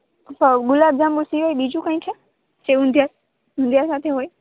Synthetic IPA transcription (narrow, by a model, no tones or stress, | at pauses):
pəɡʊlaːbd͡ʒaːmbʊsiʋaiɓiːd͡ʒũkãːĩt͡ʃʰə | seɦʊ̃nd̪ʱjaːɾ | ɦʊ̃nd̪ʱjaːɾsaːt̪ʰeɦoːe